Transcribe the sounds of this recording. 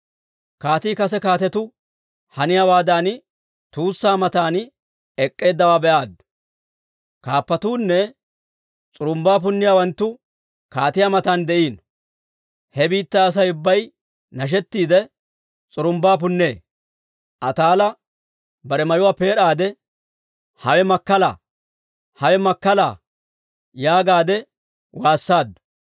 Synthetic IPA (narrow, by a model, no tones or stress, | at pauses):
kaːt̪iːkɐsɛkaːt̪ɛt̪ʊ | hɐnɪjawaːd̪aːn | t̪uːsːaːmɐt̪aːn | ɛkʼːe̞ːd̪ːɐwaːbɛʔaːd̪ | kaːpːɐt̪uːnːɛ | t͡sʼʊɾʊmbaːp̬ʊnːɪjaːwɐnt̪ːʊ | kaːt̪ɪjamɐt̪aːnd̪ɛʔiːn | hɛbiːt̪ːɐːs̬ɐjʊbːɐj | nɐʃ̬ɛt̪ːiːd̪ɛ | t͡sʼʊɾʊmbaːp̬ʊnːeː | ʔɐt̪aːlɐ | bɐɾɛmɐjʊwaːpe̞ːɾaːd̪ɛ | hɐwɛmɐkːɐla̰ | hɐwɛmɐkːɐla̰ː | jaːɡaːd̪ɛ | waːsːaːd̪ʊ̥